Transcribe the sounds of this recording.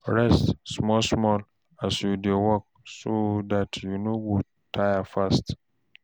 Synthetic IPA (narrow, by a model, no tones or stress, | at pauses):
ɹɛstsmɔlsmɔl | asjudowɔk̚sodatʰjunowu | tʰajafast